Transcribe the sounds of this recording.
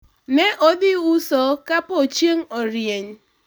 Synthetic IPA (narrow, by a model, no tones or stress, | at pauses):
nɛʔodɪusɔkapot͡ʃeŋ̩oɾjeɲ